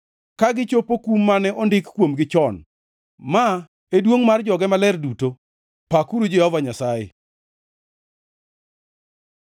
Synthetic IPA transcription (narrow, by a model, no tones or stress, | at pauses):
kaɡɪt͡ʃopokumːanɛʔɔndɪkkwomɡɪt͡ʃɔn | ma | edwoŋmard͡ʒɔɡɛmalɛrduto | pakuɾud͡ʒehɔvaɲasajɪ̰